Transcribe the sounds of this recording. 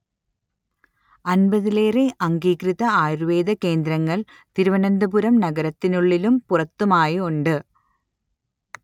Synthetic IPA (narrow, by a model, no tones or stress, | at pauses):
ɐnbɐðile̞ːreʔɐŋɡiːkɾiðɐaːjɾuʋe̞ːd̪ɐke̞ːnd̪ɾɐŋːɐɭ | t̪iɾuʋɐnɐnd̪ɐbuɾɐmnɐɡɐɾɐt̪ːinuɭːilumpurɐt̪ːumaːjiuɳɖɨ